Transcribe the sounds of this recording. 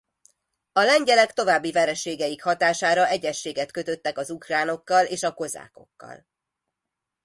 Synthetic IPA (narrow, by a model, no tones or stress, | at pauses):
ɒlɛɲɟɛlɛkt̪o̞vaːbːivɛɾɛʃːeːɡɛjikhɒt̪aːʃaːɾɒɛɟɛʃːeːɡɛt̪kø̞t̪ø̞t̪ːɛkɒzukraːno̞kːɒleːʃɒko̞za̰ːko̞̰kːɒ̰l